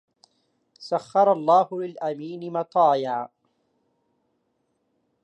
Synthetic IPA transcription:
saxːɑɾˤɑlˤːɑːhʊlɪlʔamiːnɪmɑt̪ˤɑːjaʕ

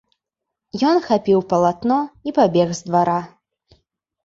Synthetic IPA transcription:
jɔnxapʲiwpɐlˠat̪nɔipabʲɛɣzd̪vaɾa

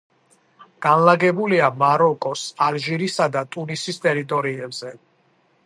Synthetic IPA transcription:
ɡ̥anlaɡɛbuliamaɾɔkʼɔsalʒiɾisad̪at̪ʼunisist̪ʼɛɾit̪ʼɔɾiɛbz̥ɛ

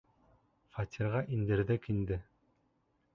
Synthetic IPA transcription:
fɑt̪ʲʰiɾʁɑʔind̪ɘ̆ɾðɘkind̪ɘ

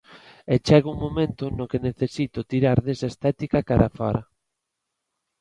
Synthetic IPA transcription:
et͡ʃɛɣuŋmomẽnt̪ʊnokeneθesit̪ʊt̪iɾaɾðesaest̪at̪ikakaɾafa̰ɾa

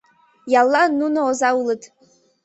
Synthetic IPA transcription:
jalːanunaozawlɨtʰʼ

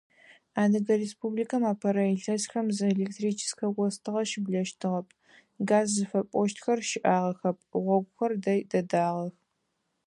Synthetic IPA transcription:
aːnɨɡɐɾeːspublikʰɐmaːpʰɐɾɐeɬɐsxɐmzɨelek̚tʰriːt͡ʃʰɪ̥sxʰɐɡʷʼɔstʰɨʁɐʃɪbɮɐʃtʰɨʁɐpʰʼ | ɡaːzːɨfɐpʼɔʃtxɐrʃɪʔaːʁɐxɐp̚ʰʼʁʷɔɡʷʊxɐrdɐjdɐdaːʁɐx

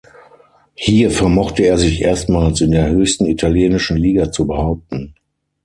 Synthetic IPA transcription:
hiːɐfɛɐmɔχtəeːɐzɪçʔḛːɐstmaːlsɪndeːɐhøːçstn̩itʰaljeːnɪʃn̩liːɡat͡subəhaʊp̚tn̩

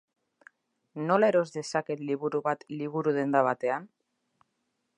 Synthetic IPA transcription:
noleɾozðe̞saket̪liβuɾuβat̪liβuɾuð̞end̪aβat̪ean

